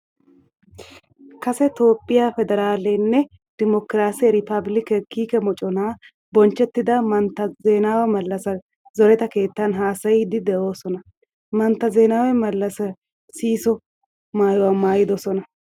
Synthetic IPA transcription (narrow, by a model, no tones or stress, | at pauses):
kɐsɛt̪o̞ːpʼːɪjafɛd̪ɛɾaːlɛnːɛ | d̪̥ɪmɔkɾaːsɪjɛɾɪpɐblɪkɛkiːkɛmɔt͡ʃʼɔnaː | bɔnt͡ʃːɛt̪ːɪd̪ɐmɐnt̪ːɐzeːnaːwɛmɐlːɐsɐ | zɔɾɛt̪ɐke̞ːt̪ːɐnɦaːsɐjɪd̪ɪd̪ɛʔo̞ːsɔnɐ | mɐnt̪ːɐzeːnaːwɛmɐlːɐsɐ | siːsɔ | maːjɔwɐmaːjɪd̪ɔsɔnɐ